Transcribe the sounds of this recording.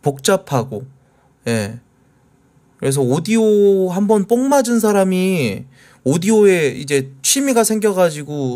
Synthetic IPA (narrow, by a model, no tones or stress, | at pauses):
pok̚t͡ɕ͈apʰaɡo | je̞ | kɯɾe̞s̬ʰʌodioɦambʌnp͈oŋmad͡ʑɯns̬ʰaɾami | odioe̞id͡ʑe̞t͡ɕʰimiɡasʰe̞ŋɡjʌɡad͡ʑiɡo